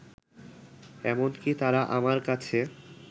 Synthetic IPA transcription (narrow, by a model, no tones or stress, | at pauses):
ɛmonkit̪aɾaʔamaɾkat͡ɕʰe